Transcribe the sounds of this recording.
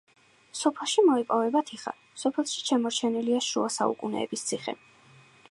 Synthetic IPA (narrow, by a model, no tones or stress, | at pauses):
sɔpʰɛlˠʃimɔipʼɔvɛbat̪ʰiχa̰ | sɔpʰɛlˠʃi̥t͡ʃʰɛmɔɾt͡ʃʰɛniliaʃuasa̰ṵkʼunɛ̰ːbist̪sʰiχɛ̰